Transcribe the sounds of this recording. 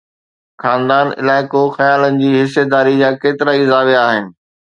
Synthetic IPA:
xaːnd̪aːnɪ̰laːɪkoxɐjaːlənɪ̆d͡ʑiːɦɪsːed̪aːɾid͡ʑaːkeːt̪ɪɾaɪzaːʋeaːɦɪnɪ̆

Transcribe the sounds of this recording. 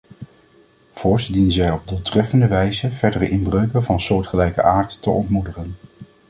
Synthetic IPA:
v̥ʊːɹsdinənzɛjɔb̚dʊlˠtrɛfəndəʋɛjzənvɛɹdərəʔɪnbrøɥkənvɑnsʊːɹtχəlɛjkə̰ʔaːɹtːəɔntmudəχən

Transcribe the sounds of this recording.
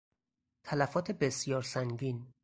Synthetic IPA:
t̪ʰælæfɒːt̪ʰebe̞sjɒːɾsæŋɟiːn

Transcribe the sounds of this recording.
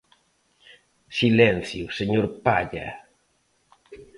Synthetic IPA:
silɛ̃nθjuseɲoɾpaʎa̰

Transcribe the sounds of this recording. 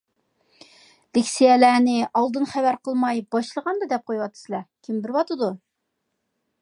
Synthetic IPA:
lɪkʲsijɛlæːnɪʔɑlˠd̪ɨnχævæɾqʰəlˠmɑjbɑʃlˠəʁɑnd̪ɨd̪ɛp̚qʰojwɑt̪ʰːɨ̥sɨlˠɛkʲʰimbɪɾwɑt̪ɨd̪u

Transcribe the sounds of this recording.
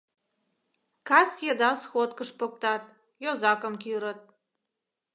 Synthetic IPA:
kɑsjĕd̪ɑsxot̪̚kəʃpŏk̚t̪ɑt̪̚ | jozɑkə̆mkyɾə̆t̪̚

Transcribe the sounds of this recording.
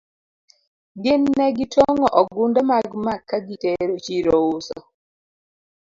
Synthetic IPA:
ɡɪnːɛɡɪtoŋɔʔɔɡundɔmaɡmakːaɡiteɾot͡ʃiɾousɔ̰

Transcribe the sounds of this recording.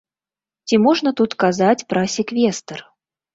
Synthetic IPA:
t͡sʲimɔʐnɐt̪ut̪kazat͡sʲpɾɐsʲɛkvʲɛst̪ɐr

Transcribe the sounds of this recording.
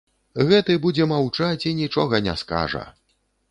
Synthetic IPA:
ɣɛt̪ɨbud͡zʲɛmawt͡ʂat͡sʲinʲit͡ʂɔɣɐnʲɛ̰ska̰ʐɐ̰

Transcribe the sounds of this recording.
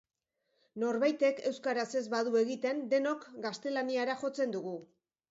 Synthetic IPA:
no̞ɾβajt̪e̞ke̞wskaɾase̞zβaðue̞ɣit̪e̞nd̪e̞no̞kɡast̪e̞laniaɾaxo̞t͡send̪uɣu

